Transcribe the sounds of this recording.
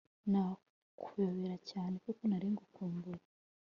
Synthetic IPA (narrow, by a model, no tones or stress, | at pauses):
na | kʰujoβiɾacaːne̞kukonaɾiːŋɡokuːmbuɾa